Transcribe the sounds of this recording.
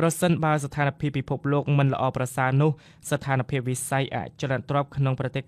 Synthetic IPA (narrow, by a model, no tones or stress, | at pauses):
prɑsənɓaəst̪ʰaːnpʰiəpːipʰup̚loːk̚mɨnlə̰̆ʔɑːprɑsaənʊ̆əh | sat̪ʰaːnpʰiəp̚ʋisajʔa̰ʔt͡ɕonaʔt̪rŏəp̚kʰnoŋprɑt̪eːh